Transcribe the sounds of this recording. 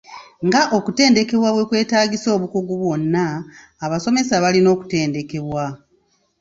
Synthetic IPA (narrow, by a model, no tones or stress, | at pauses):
ŋɡaʔo̞kute̞ːnde̞ke̞βwaβwe̞kwe̞ːtaːɡiso̞ːβukoɡuβwo̞nːaː | βaso̞me̞saβalino̞ːku̥te̞ːnde̞ke̞βwa